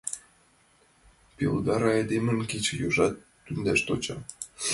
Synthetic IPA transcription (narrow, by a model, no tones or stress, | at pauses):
pild̪ɑɾɑed̪emə̆nket͡ɕjoʒɑt̪ːynd̪æʃt̪ot͡ɕɑ